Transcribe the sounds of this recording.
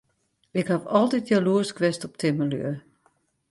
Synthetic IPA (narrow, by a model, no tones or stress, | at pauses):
ɪkhavɔlˠtitjaluəskʰʋɛstɔp̚tʰɪməlø̰ə